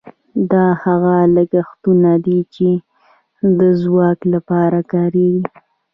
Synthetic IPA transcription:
d̪ɑhaɣaləɡaxt̪unad̪it͡ʃe | d̪əzwɑklapɑɾakɑɾeɡi

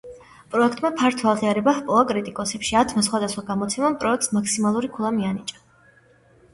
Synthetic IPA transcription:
pʼɾɔɛkʰt̪ʼmapʰaɾt̪ʰwalˠʁiaɾɛbahpʼɔakʼɾit̪ʼikʼɔsɛpʃiat̪ʰmasχwad̪asχwaɡamɔt̪sʰɛmampʼɾɔɛk̚t̪smaksimalˠuɾikʰulˠamianit͡ʃʼḁ

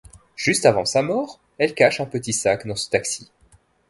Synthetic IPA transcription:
ʒ̥yst̪avɑ̃samɔːʁ | ɛlkaʃɛ̃pət̪isakd̪ɑ̃sə̥t̪aksi

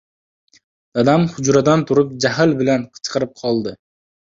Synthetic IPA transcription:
d̪̥ad̪amhʊd͡ʒɾad̪ant̪ʰʊɾɪp̚d͡ʒaɦɪlbɪlanqʰɨ̥t͡ʃqʰɨɾɪp̚qʰɒlˠd̪ɪ

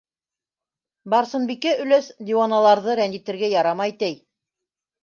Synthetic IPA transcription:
bɑɾsɤ̆nbikæʔɵ̆læsd̪ʲiwonalˠɑɾðɤɾænd̪it̪ɘ̆ɾɡæjɑɾɑmɑjt̪æj

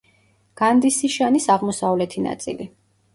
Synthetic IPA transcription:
ɡ̥and̪isiʃanisaʁmɔsavlɛt̪ʰina̰t̪sʼḭli

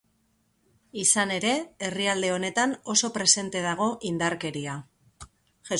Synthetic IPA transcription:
isane̞ɾe̞eriald̪e̞o̞ne̞t̪ano̞so̞pɾe̞se̞nt̪e̞ðaɣ̞o̞ʔind̪aɾke̞ɾia | ʝe

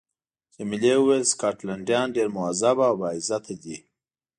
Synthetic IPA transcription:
t͡ʃemilewuwelskɑʈlaɳɖjɑnɖeɾmʊazabawbɑizat̪ʰad̪i

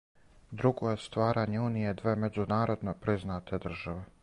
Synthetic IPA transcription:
d̪ɾuɡojest̪ʋaːɾaːɲeuːnijed̪ʋe̞ːmed͡ʑunaːɾo̞d̪nopɾiznaːt̪ʰe̞d̪r̩ʒaʋe

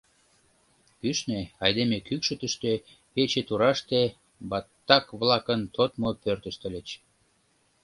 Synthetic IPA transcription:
pyʃneɑjd̪emekykʃət̪əʃt̪ø | pet͡ɕet̪uɾɑʃt̪e | bɑt̪ːɑkβlɑkənt̪ot̪mopørt̪əʃt̪ə̆let͡ɕ

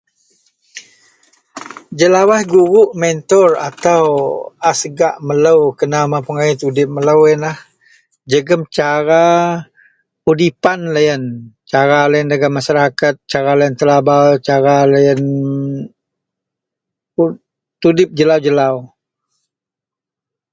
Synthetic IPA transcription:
d͡ʒəlawahɡuɾʊʔmɛnt̪ɔra̰t̪awasəɡaʔmələwkənamapəŋait̪udɪp̚mələwənlah | d͡ʒəɡəmt͡ʃaɾa | udipanləjənt͡ʃaɾalajəndəɡamaʃaɾakat̪̚t͡ʃaɾalajənt̪əlabawt͡ʃaɾaləjən | t̪udɪp̚d͡ʒəlawd͡ʒəlaw

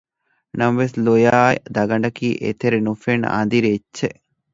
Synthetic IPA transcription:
nɐmɐʋeslojaːd̪ɐɡɐɳɖɐkiːʔḛt̪eɾenufena̰nd̪iɾet͡ʃːt͡ʃːʃeʔ

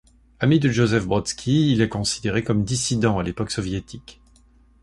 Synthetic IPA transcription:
amid̪əʒozɛfbʁɔt̪skʲʰiːlɛkɔ̃sid̪eʁekɔmd̪isid̪ɑ̃alepɔksɔvjet̪ʰik

